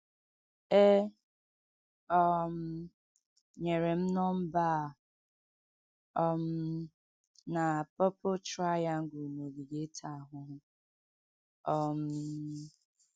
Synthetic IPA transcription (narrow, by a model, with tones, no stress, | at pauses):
e˦ | ɔ˦m̩˦ | ɲe˨ɾe˨m̩˦nɔ˦m̩˦ba˦˨ | ɔ˦m̩˦ | na˨pɔ˦po˦t͡ʃɾa˦ja˦ŋ̩˦ɡu˨no˨ɡi˨ɡe˦tʰa˦˨ɦʊ˨ɦʊ˦ | ɔ˦m̩˨